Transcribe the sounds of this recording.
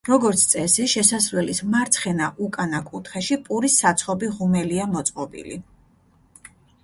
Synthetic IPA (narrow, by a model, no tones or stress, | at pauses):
ɾɔɡɔɾt̪sʰt̪sʼɛsɛʃɛsasɾwɛlismaɾt̪sʰχɛnaʔukʼanakʼut̪ʰχɛʃipʼuɾisːat̪sʰχɔbiʁumɛliamɔt̪sʼqʼɔbḭlḭ